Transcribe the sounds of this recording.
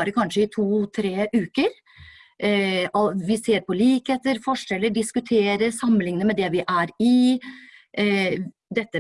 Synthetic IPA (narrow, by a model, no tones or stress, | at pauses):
ɾəkʰɑnʂəɪt̪ʰuːt̪ʰɾeːʔʉːkəɾ | ʔɔʋɪseːɾpɔliːkheːt̪əɾfɔʂɛlːəɖɪskʉt̪ʰeːɾəsɑmːənlɪŋənəmɛd̪ɛʋɪʔæɾɪ | d̪ɛt̪ːə